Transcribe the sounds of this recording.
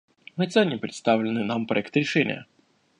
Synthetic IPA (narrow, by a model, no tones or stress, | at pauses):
mɨt̪sɛnʲːɪpɾʲɪt̪st̪avlʲɪnːɨnampɾɐɛkt̪ɾʲɪʂɛnʲɪ̰jə̰